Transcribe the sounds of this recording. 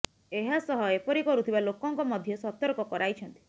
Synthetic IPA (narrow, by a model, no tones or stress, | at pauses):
eɦasɔɦɔepɔɾikɔɾut̪ʰibalokɔŋkɔmɔd̪ʱjɔsɔt̪ɔɾɔkɔkɔɾajt͡ʃʰɔnt̪i̥